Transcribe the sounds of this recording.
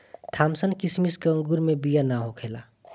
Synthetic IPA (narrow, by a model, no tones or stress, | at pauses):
t̪ʰaːmsənkismiskeə̃ŋɡuɾmẽbijanaɦokʰeːla̰